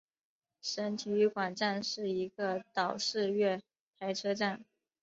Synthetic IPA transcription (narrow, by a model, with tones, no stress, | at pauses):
ʂə˧˥nt̪ʰi˧˥y˧˥kwa˨˩nʈ͡ʂa˥˧nʂɻ̩˥˩i˧˥ɡə˧t̪ɑ˨˩ʊʂɻ̩˥˧ɥɛ˥˩ | t̪ʰa˧˥ɪʈ͡ʂʰɤ˥ʈ͡ʂa˥˩n